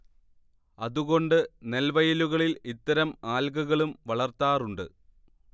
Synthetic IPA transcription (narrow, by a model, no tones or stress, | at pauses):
ɐðuɣo̞ɳɖɨne̞lʋɐjɐluɣɐɭilit̪ːɐɾɐmaːlɡɐɣɐɭumʋɐɭɐrt̪ːaːruɳɖɨ̰